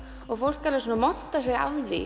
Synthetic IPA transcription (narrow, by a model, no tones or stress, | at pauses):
ɔɣfowl̥kːaɾlɪsoːnamɔn̥t̪asɛɣa̰vðḭ